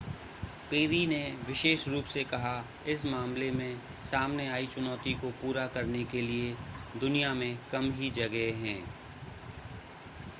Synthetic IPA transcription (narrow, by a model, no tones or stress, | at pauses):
peːɾineʋɪʃeːʃɾuːpsekɐɦa | ɪs̬mãːmlemẽ | saːmneaːit͡ʃʊnɔːt̪ikopuːɾakɐɾnekelied̪ʊnijamẽkɐmɦid͡ʒɐɡɦeɦɛ̃ː